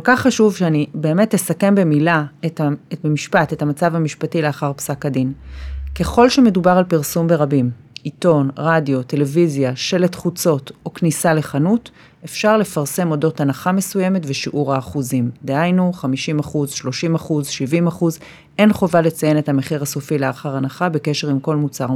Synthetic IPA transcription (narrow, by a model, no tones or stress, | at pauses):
kolkaχːaʃuvʃeanibe̞ːme̞tlesake̞mbe̞milaetabemiʃpate̞tamat͡savamiʃpatileaχaʁpsakadinke̞χo̞lʃeme̞dubaʁalpiʁsumbe̞ʁabimito̞nʁadijo̞te̞le̞vizjaʃeletχut͡so̞to̞knisale̞χanut | e̞fʃaʁle̞faʁse̞mo̞do̞thanaχame̞suje̞me̞tveʃiʔuʁaːχuzimd̪ehajnuχamiʃimaχuzʃlo̞ʃimaχuzʃivimaχuz | ʔe̞nχo̞vale̞t͡saje̞nethameχiʁaso̞fileaχaʁanaχabe̞ke̞ʃe̞ʁimko̞lmut͡saʁ